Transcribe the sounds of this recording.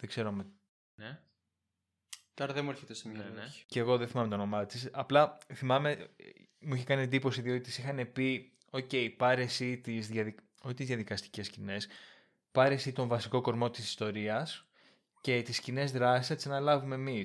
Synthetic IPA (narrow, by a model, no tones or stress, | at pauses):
ðeɡ̥ze̞ɾome | ne | t̪oɾɐðemueɾçet̪esemɲɐnceːɣo̞ðeθimɐme̞t̪ono̞mɐt͡sisɐplɐθimɐme̞muiçekɐniend̪ipo̞siðioit̪isixɐne̞pi | o̞ce̞ipɐɾe̞sit̪izðʝɐði | oçit̪izðjɐðikɐst̪i̥ce̞scine̞s | pɐɾe̞sit̪o̞ɱvɐsiko̞ko̞ɾmo̞t̪isi̥st̪o̞ɾiɐs | ce̞t̪iscine̞zðɾɐsisɐt̪isɐnɐlɐvume̞ːmi